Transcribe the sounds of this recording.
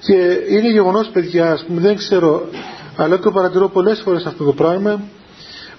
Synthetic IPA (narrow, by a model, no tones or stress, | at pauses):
ce̞ine̞ʝe̞ɣo̞no̞spe̞ðʝɐːspumeðeŋkse̞ɾo̞ɐlɐt̪et̪opɐɾɐt̪iɾo̞po̞le̞sfo̞ɾe̞sɐft̪o̞t̪opɾɐɣmɐ